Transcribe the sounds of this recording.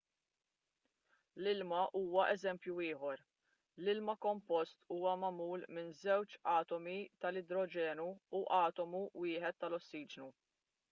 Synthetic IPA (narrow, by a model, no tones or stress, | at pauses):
lɪlmɐʔuːwɐʔɛzɛmpjuɪːħɔɾ | lɪlmɐkɔmpɔst̪uːwɐmɐmuːlmɪnzɛwt͡ʃɐːt̪ɔmit̪ɐlɪd̪ɾɔd͡ʒɛːnuːʔɐːt̪ɔmuwɪːħɛt̪ːɐlɔsːiːd͡ʒnu